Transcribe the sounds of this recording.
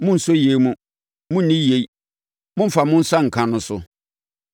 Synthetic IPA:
mʊ̃˦n̩˨sʊ˦je˨˦mũ˦ | mʊ̃˦n̩˦nĩ˦je˨i˦ | mʊ̃˦m̩˦fa˨mʊ̃˦n̩˦sa˦ŋ̩˨kʰã˨nʊ̃˨sʊ˨

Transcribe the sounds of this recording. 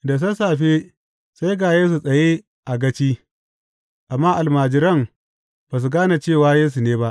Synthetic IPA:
da˨s̬ɐ˦saː˨ɸe˦ | sa˦jɡaː˨jeː˦s̬u˨sʼɐ˨je˦ | ʔa˨ɡɐ˦t͡ʃiː˦ | ʔa˨mːaː˦ʔa˨lmaː˨d͡ʒɪ˨ɾɐ˦m | b̥a˨s̬u˨ɡaː˦na˨t͡ʃeː˦˨waː˦jeː˦s̬u˨neː˦ba˦ʔ

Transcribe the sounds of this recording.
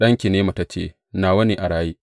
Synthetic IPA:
ɗɐ˦ŋkʲi˨neː˦ma˨ta˦t͡ʃḛː˦˨ | naː˨wɐ˦ni˨ʔa˨ɽaː˦jiː˦

